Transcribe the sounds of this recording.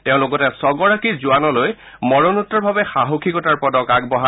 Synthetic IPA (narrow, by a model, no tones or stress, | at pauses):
tɛʊ̃lokɔtɛsɔɡɔɹakiɹzuanɔloj | mɔɹɔnutːɔɹbʱabɛxaɦokʰikɔtaɹpɔdɔkaɡ̚bɔɦa